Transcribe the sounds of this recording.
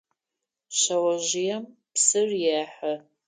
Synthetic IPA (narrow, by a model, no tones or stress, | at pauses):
ɕɐwɐʑɪjɛm | psɨrjaːħɐ